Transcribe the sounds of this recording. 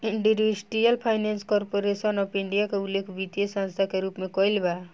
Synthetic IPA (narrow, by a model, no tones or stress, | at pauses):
iɳɖuɾisʈijəlpʰajnenskɔɾpoɾesənɔpiɳɖijakeulːekʰbit̪ijesə̃nst̪ʰakeɾupmekɔjlba